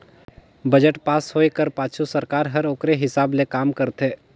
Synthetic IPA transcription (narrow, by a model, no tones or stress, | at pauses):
bəd͡ʒəʈpaːsɦoːekəɾpaːt͡ʃʰusəɾkaːɾɦəɾoːkɾeɦɪsaːblekaːmkəɾt̪ʰeː